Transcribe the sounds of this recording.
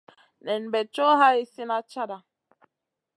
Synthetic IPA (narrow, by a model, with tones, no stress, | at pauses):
nɛ˨n̩˨bɛ˨t͡ʃo˦ɦa˦i˦si˦na˦t͡ʃa˦da˨